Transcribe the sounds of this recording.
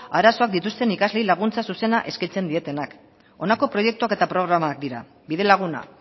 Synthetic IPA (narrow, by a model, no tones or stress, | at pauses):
aɾaso̞ak̚d̪it̪ust̪e̞nikazle̞ilaɣ̞unt͡sasuse̞naʔe̞skit͡se̞nd̪ie̞t̪e̞nak | o̞nako̞pɾo̞je̞k̚t̪uake̞t̪apɾo̞ɣɾamaːk̚d̪iɾa̰ | biðe̞laɣ̞una̰